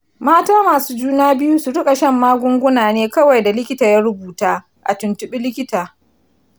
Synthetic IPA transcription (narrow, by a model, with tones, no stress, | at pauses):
maː˦taː˦maː˨suː˦d͡ʒuː˦naː˦bɪ˦ju˦su˨ɽʊ˦kʼa˨ʃɐ˦˨mːaː˦ɡʷʊ˦ŋɡʷʊ˦naː˨neː˦kɐ˦wa˨jda˨lɪ˦kʲɪ˦taː˨ja˦ɽʊ˦buː˨taː˦ | ʔa̰˨tʊ˨ntʊ˦ɓɪ˦lɪ˦kʲɪ˦taː˨